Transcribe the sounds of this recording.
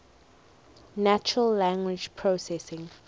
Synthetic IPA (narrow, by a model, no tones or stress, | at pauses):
nat͡ʃəɹəlːãŋɡwɪd͡ʒpʰɹosɛsɪ̃ŋ